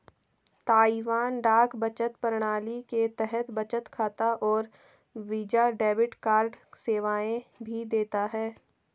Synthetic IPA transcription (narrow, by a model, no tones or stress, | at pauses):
t̪aːiʋaːnɖaːkbət͡ʃət̪pəɾɽ̃aːliket̪ɛɦɛt̪bɐt͡ʃət̪kʰaːt̪aʔɔːɾ | ʋiːd͡ʒaɖɛːbɪʈkaːɾɖseːʋaːẽbʱid̪eːt̪aɦɛː